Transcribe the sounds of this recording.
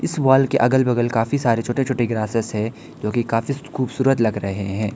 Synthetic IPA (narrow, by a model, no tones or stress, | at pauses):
ɪsʋaːlkeʔɐɡəlbɐɡəlkaːfisaːɾet͡ʃʰoːʈẽt͡ʃʰoːʈeɡɾaːsɪsɦɛ̃ | d͡ʒoːkikaːfixuːbsuːɾət̪lɐɡɾɐɦḛɦɛ̃ː